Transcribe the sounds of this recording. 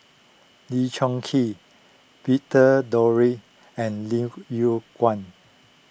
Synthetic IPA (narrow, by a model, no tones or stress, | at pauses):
lit͡ʃɔ̃ŋkʰi | pitədɔɹi | ɛ̃nlijukwãn